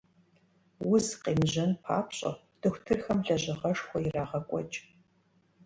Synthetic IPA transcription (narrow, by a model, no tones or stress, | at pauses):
wʊzqeːmʑɐnpʰa̰ːpɕʼɐ̰ | d̥ɨxʷtʰɨrxɐmɮɐʑɪʁɐʂxʷɔjiraːʁɐkʷʼɔ̰t͡ʃʼ